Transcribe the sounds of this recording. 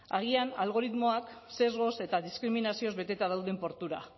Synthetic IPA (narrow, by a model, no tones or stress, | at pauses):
aɣianalɣ̞o̞ɾit̪mo̞akse̞zɣo̞se̞t̪aðiskɾiminasio̞zβe̞t̪e̞t̪aðawðe̞mpo̞ɾt̪uɾa̰